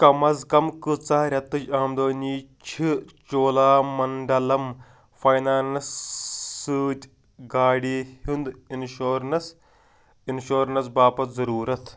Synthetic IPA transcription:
kɐmɐzkɐmkɨt͡saɾʲɐt̪ːɨt͡ʃaːmd̪oːniːt͡ʃʰit͡ʃoːlaːmɐɳɖɐlɐm | fɐjnaːnɐsː | ɨːtʲ | ɡaːɽiːhund̪inʃoːɾnɐs | inʃoːɾnɐs̬baːpɐt̪zɐɾuːɾɐt̪ʰ

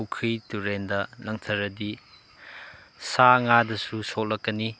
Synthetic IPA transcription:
ukʰituɾendɐlɐŋtʰɐɾɐdi | saŋadɐsusolɐkːɐni

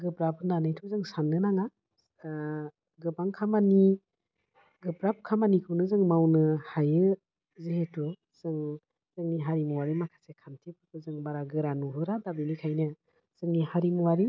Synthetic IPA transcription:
ɡɯbɾapʰɯnanɯjtʰuzɯŋsanːɯnaŋa | ɡɯbaŋkʰamani | ɡɯbɾap̚kʰamanikʰɯwnɯzɯŋmawnɯhajɯ | zeɦetu | z̥ɯŋ | z̥ɯŋniɦaɾimuwaɾimakʰḁsekʰantʰipʰɯpʰɯzɯŋbaɾaɡɯɾanuɦɯɾadabinikʰajnɯ | z̥ɯŋnihaɾimuwaɾi

